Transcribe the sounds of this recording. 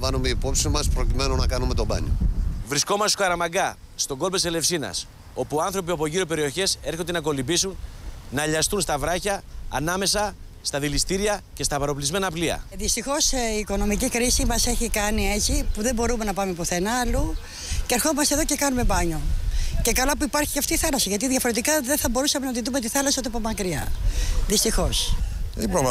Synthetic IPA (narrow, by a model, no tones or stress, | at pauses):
vɐnumeipopsimɐspɾocime̞nonɐkɐnume̞t̪o̞bɐ̰ɲovɾisko̞mɐst̪kɐɾɐmɐɡɐ | st̪o̞ɡo̞lpbesele̞fsinɐ̰s | o̞puɐnθɾo̞p̬iɐpo̞ʝiɾope̞ɾio̞çe̞se̞ɾxond̪enɐko̞libisunnɐʎɐst̪unst̪ɐvɾɐçɐːnɐme̞sɐ | st̪ɐðilist̪iɾiɐce̞st̪ɐpɐɾo̞plizme̞nɐpliɐ̰ðist̪ixo̞seːko̞no̞micikɾisimɐse̞çikɐnie̞t͡sipuðe̞bo̞ɾume̞nɐpɐme̞poθenɐlu | ceːɾxo̞mɐst̪eðo̞ce̞kɐnume̞bɐɲo̞ce̞kɐlɐpuipɐɾçi̥ceɐft̪iːθɐlɐsiʝɐt̪iðʝɐfoɾe̞t̪̬ikɐðeθɐbo̞ɾusɐme̞nɐt̪iðume̞t̪̬iθɐlɐsiot̪p̬omɐkɾiɐðist̪ixo̞sipɾo